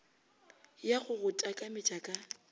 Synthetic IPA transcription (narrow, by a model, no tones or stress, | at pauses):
jaɣʊɣʊtʼakʼamɪt͡ʃʼakʼa